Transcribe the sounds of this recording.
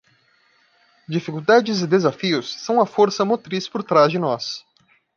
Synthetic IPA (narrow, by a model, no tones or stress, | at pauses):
d͡ʒifikuwd̪ad͡ʒɪzɪd̪ezafiʊsːɐ̃w̃ɐfoɾsɐmot̪ɾispoɾt̪ɾazd͡ʒɪnɔs